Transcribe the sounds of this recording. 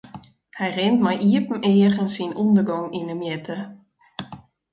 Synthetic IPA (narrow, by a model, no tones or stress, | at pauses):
hɛjrɪntmɛjʔiəpm̩ɪːəɣənsinundərɡɔŋinəmjɛtʰə